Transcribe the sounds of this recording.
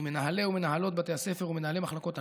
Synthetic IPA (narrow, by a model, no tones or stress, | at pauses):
me̞naɦale̞ume̞naɦalo̞t̪̚bat̪e̞jase̞feʁume̞naɦalemaχlako̞t̪a